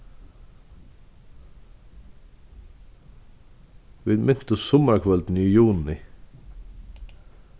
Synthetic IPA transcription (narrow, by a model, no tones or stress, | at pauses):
ʋɪd̪mʔɪn̥t̪əsʊmakʰʋɛld̪n̩iːjuːnɪ